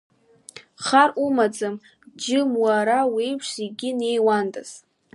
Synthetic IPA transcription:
χarumad͡zɨm | d͡ʒɪmwaɾawijpʰʂiɡʲɪne̞jwandʼa̰z̥

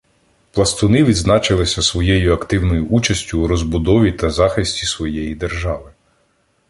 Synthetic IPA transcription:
plˠɐst̪ʊnɪʋʲid̪znɑt͡ʃɪlˠɪsʲɐsʋɔjɛjʊɐkt̪ɪwnɔjʊʔut͡ʃɐsʲtʲʊːɾɔzbʊd̪ɔʋʲit̪ɐzɑxɪsʲtʲisʋɔjɛjid̪erʒɑʋɪ

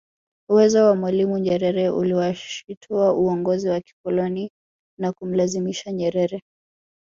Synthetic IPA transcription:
uwɛzɔwamwalimuɲɛɾɛɾɛʔṵliwaʃitʰuaʔuɔŋɡɔziwaki̥kɔlɔni | nakum̩lazimiʃaɲɛɾɛɾɛ

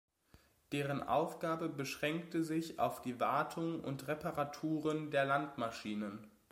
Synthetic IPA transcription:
d̥eːʁ̞ənʔa̰ʊfɡ̥aːbəbəʃʁ̥ɛŋktəzɪça̰ʊfd̥iːvaɐtʰʊŋʊ̰ntʁɛpaʁatʰuːʁəndeːɐlantmaʃiːnən

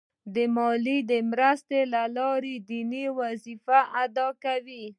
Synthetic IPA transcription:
d̪əmɑlid̪əmɾast̪elalɑɾed̪iniwazifaʔad̪ɑkawi

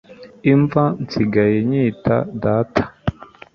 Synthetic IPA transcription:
iɱvant͡siɡajeɲiːta̰daːtʰḁ

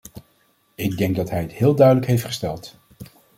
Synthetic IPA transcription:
ɪɡ̚dɛŋɡ̚dɑtɦɛjəthɪːlˠdœɥdələkɦejftχə̥stɛlˠt

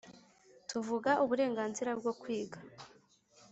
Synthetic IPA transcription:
tuvuɡaʔuβuɾe̞ːŋɡaːnziɾabɡo̞kwiːɡa

